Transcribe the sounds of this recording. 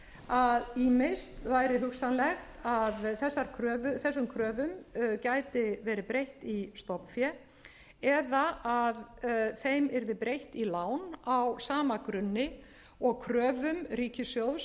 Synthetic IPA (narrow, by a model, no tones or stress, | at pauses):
aðiːmest̪vajɾɪɦʏksanlɛxt̪aðθɛsːaɾ̥kʰɾœːvʏθɛsːʏmkʰɾœːvʏmcaːjt̪ɪvɛːɾɪpɾejht̪ist̪ɔpnfjɛ | ɛðaʔaðθejmɛɾðɪpɾejht̪ilaːwnawsaːmakɾʏnːɪ | ɔɣkʰɾœːvʏmɾiːcɪsjowðs